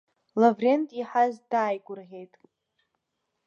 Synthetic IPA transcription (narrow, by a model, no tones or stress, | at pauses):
lavre̞ntʼiħazdaːjɡʷʼʊrʁʲe̞jtʼ